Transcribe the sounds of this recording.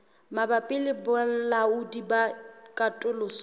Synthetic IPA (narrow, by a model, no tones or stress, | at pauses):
mabapʼɪlɪbʊlaʊdibakʼatʼʊlʊs